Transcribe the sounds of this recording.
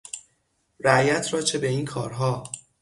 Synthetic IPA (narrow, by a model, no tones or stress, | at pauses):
ɾæjæt̪ʰɾɒːt͡ʃʰe̞be̞iːnkʰɒ̰ːɾɦɒː